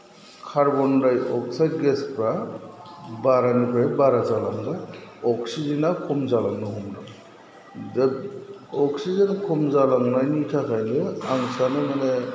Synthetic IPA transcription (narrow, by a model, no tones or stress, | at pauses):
kʰaɾbɔnɾajɔk̚saɡespɾa | baɾanipʰajbaɾazalaŋdɯɔksizinakʰumzalaŋnɯɦɔmda | dɯ | ɔksizenkʰumzalaŋnajnitʰakʰajnɯaŋsanɯmane